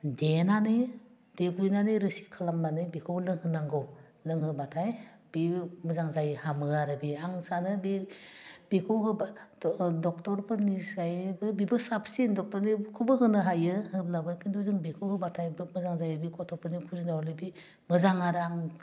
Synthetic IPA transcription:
denanɯ | d̥ekɾinanɯɾɯsi̥kʰalamnanɯbikʰɯwlɯŋhɯnaŋɡɔ | lɯŋɦɯbatʰaj | b̥imɯzaŋzajhamɯaɾɯbiaŋsanɯbi | b̥ikʰɯwɦɯba | dɔk̚tɔɾpʰɯnisajbɯbibɯsapsindɔk̚tɔɾnikʰubɯɦɯnɯɦajɯhɯblabɯkindɔzɯŋbikʰɯwhɯbatʰajbɯmɯzaŋzajɯbikʰɔtʰɔpʰɯnikʰuzundawɾlibi | mɯzaŋaɾaŋ

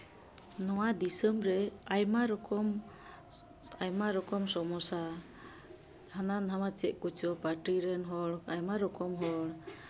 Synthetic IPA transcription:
nɔwad̪isəmɾɛajmaɾɔkɔm | ajmaɾɔkɔmsɔmɔsa | hananɦamat͡ʃɛʔ̚kut͡ʃɔpaɾʈiɾɛnɦɔɽajmaɾɔkɔmɦɔɽ

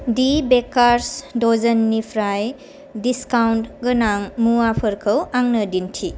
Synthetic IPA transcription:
dibekaɾsdɔzənːipʰɾaj | diskawntɡənaŋmuwapʰəɾkʰɯwaŋnədintʰi

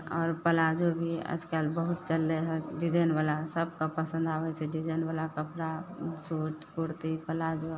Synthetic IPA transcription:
ɔːɾpəlad͡ʒobʱiə̰d͡ʒkalbəɦut̪̚t͡ʃəlːeɦɛɖid͡ʒəjnʋalasəb̚kapəsə̃nd̪aːʋɛt͡ʃʰɛɖid͡ʒəjnʋalakəpɾasuʈkuɾt̪ipəlad͡ʒo

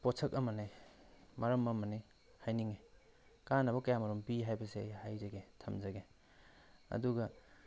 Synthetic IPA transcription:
posʰɐkɐmɐnemɐɾɐmɐmɐne | hajniŋe | kanɐbɐkɐjamɐɾumbiɦajbɐsehajzɐɡetʰɐmzɐɡe | ɐ̰duɡɐ

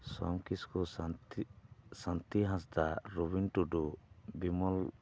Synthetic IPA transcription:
sɔ̰mkiskɔ | sãnt̪iɦãsd̪aɾɔbinʈuɖubimɔl

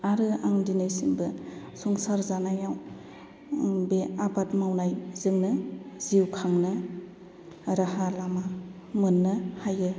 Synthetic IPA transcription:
aɾɯaŋdinɯjsiŋbɯ | suŋsaɾzanajaw | beabatmawnajzɯŋnɯziwkʰaŋnɯ | ɾahalama | mɯnːɯhajɯ

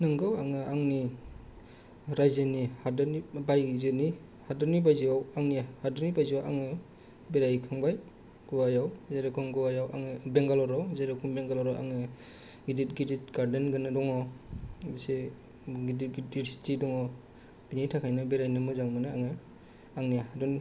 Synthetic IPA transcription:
nɯŋɡɯwaŋɯʔaŋni | ɾajzɯnihadɯnibajzɯni | hadɔnibajziawaŋnihadɯnibajziawʔa̰ŋɯ | beɾajkʰaŋbaj | ɡ̥uwajawzeɾɯkʰɔŋɡɯwajawa̰ŋɯbeŋɡalɔɾawzeɾekʰɔmbeŋɡalɔɾawʔa̰ŋɯ | ɡidit̚ɡidit̚ɡaɾdenɡɯnadɔŋɔ | ise | ɡidiɡɡiɾstidɔŋɔ | binitʰakʰajnɯbeɾajnɯmɯzaŋmɯnɯaŋɯ | aŋniaɦadɔni

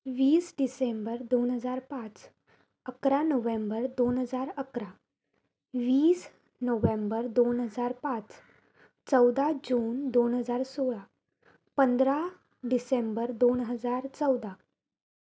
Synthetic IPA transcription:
ʋiːsɖisembəɾd̪onɦəd͡zaɾpãt͡s | əkɾanəʋẽmbəɾd̪onɦəd͡zaɾəkɾa | ʋiːs | noʋẽmbəɾd̪onɦəd͡zaɾpãt͡s | t͡səwd̪ad͡ʑuːnd̪onɦəd͡zaɾsoɭa | pənd̪ɾa | ɖisembəɾd̪onɦəd͡zaɾt͡səwd̪a

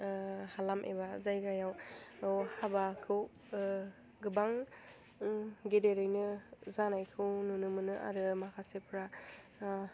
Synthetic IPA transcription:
halamʔḛbazajɡajawwhabakʰɯw | ɡɯbaŋ | ɡedeɾɯjnɯzanajkʰɯwnunɯmɯnɯʔa̰ɾɯmakʰasepʰɯɾa

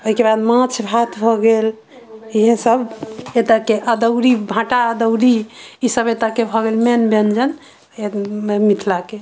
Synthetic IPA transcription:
oɦikebad̪mãt͡ʃʰbʱat̪ʰbʱɔɡel | iɦẽsəbet̪akeʔəd̪əʊɾibʱãʈaəd̪əʊɾiisəbet̪akebʱɔɡelmenbend͡ʒən | mit̪ʰlake

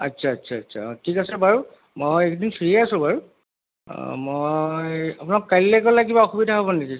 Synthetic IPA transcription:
atːsʰaːtːsʰaːtsʰa̰tʰikasɛbaɹu | mojekdinsiɹiasʊ̃baɹṵ | mojapʊnakːajlːɛkɔlaɡibaɔxubidʱaɦobɔneki

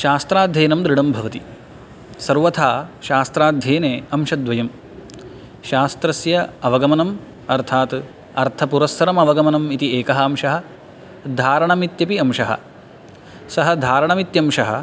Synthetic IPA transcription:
ʃaːst̪ɾaːd̪ʱjeːnɐmd̪ɾɪɽɐmbʱɐʋɐt̪i | sɐɾʋɐt̪ʰaːʃaːst̪ɾaːd̪ʱjeːneːɐmʂɐd̪ʋɐjɐm | ʃaːst̪ɾɐsjɐɐʋɐɡɐmɐnɐm | ɐɾt̪ʰaːt̪ | ɐɾt̪ʰɐpuɾɐsːɐɾɐmɐʋɐɡɐmɐnɐmit̪ieːkɐɦɐɐmʂɐɦɐ̆ | d̪ʱaːɾɐɳɐmit̪jɐpiɐmʃɐɦɐ̰ | sɐɦɐd̪ʱaːɾɐɳɐmit̪jɐmʃɐɦɐ̰̆

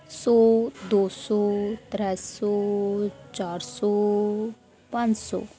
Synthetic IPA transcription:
sɔːd̪oːsɔːt̪ɾəsɔ | t͡ʃaːɾsɔ | pãnd͡ʒsɔ̰ː

